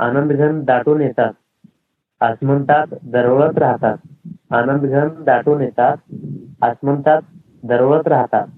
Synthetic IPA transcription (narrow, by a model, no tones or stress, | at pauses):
a̰nənd̪ɡʱənd̪aʈuːnjɛt̪at̪̚ | əsmənt̪at̪d̪əɾʋɭət̪ɾaɦt̪at̪̚anənd̪ɡʱənd̪aʈuːnjɛt̪at̪̚əsmənt̪at̪̚ | d̪əɾʋɭət̪ɾaɦt̪at̪̚